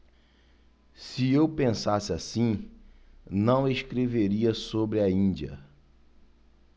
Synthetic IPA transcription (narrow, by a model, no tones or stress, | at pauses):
sɪewpẽsasɪasĩ | nɐ̃w̃eskɾeveɾiɐsobɾɪɐĩnd͡ʒiɐ̰